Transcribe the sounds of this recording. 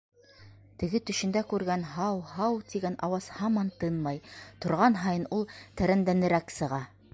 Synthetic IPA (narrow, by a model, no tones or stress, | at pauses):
t̪ɘ̆ɡɘt̪ɵ̆ʃɘ̆nd̪ækʉɾɡænɦɑwhɑwt̪iɡænʔɑwɑz̥hɑmɑnt̪ɤnmɑjt̪ŏɾʁɑnɦɑjɤnulˠt̪æ̆ɾænd̪ænɘ̆ɾæksɤ̆ʁɑ